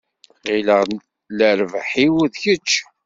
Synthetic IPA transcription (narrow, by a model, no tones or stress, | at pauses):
ʁiləʁ | ləɾvħiwðçət͡ʃː